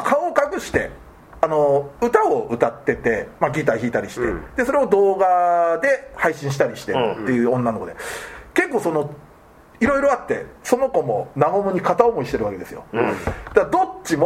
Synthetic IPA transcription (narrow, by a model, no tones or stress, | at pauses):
kʰaokakɯ̟ɕi̥t̪e̞̰ | ano̞ɯ̟t̪ao̞ɯ̟t̪at̪ːe̞t̪e̞maɡʲit̪açiːt̪aɾʲiɕi̥t̪e̞̰d̪̥e̞so̞ɾe̞od̪o̞ːɡad̪e̞haiɕĩɕ̬i̥t̪aɾʲiɕi̥t̪eːe̞jɯ̟ːõ̞nːano̞kod̪e̞ke̞kːoːso̞no̞ | iɾo̞iɾo̞at̪ːe̞̰so̞no̞ko̞mo̞naɡo̞mɯ̟ɲ̟ikat̪aomo̞iɕi̥t̪e̞ɾɯ̟βake̞d̪e̞sɨjo̞̰d̪̥ad̪o̞t͡ɕːim